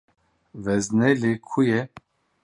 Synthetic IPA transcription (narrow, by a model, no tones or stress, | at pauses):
vɛznɛlekʰujɛ